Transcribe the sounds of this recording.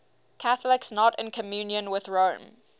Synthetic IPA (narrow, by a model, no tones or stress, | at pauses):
kʰaθlɪksnɔtɪ̃nkʰəmjʉːnjə̃nwɪðɹõʊ̃m